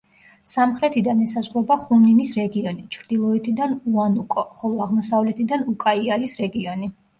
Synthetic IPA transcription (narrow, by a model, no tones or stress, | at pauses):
samχɾɛt̪ʰid̪anɛsazʁɾɔbaχumninisɾɛɡiɔnit͡ʃʰɾd̪̥ilˠɔɛt̪ʰid̪anuanukʼɔχɔlˠɔaʁmɔsavlɛt̪ʰid̪anukʼaialisɾɛɡiɔni